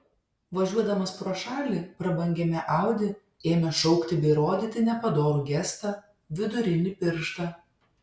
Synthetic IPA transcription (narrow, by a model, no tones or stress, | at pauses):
ʋɐʒʲuɔd̪ɐmɐspɾoːʃɑːlʲipɾɐbɐŋʲɡʲɛmʲɛʔɑˑʊd̪ʲɪ | eːmʲɛʃɔʊkt̪ʲɪbʲɛɾoːd̪ʲɪːt̪ʲɪnʲɛpɐd̪oːɾuɡʲɛst̪ɑ | ʋʲɪd̪ʊɾʲɪnʲɪpʲɪɾʃt̪ɑː